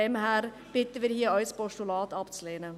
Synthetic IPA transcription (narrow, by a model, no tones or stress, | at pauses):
ɛmhæːɾ | b̥ʏt̪ːəʋɪɾhiːɑʏspoʂʊlɑːt̪ɑp̪sleːnə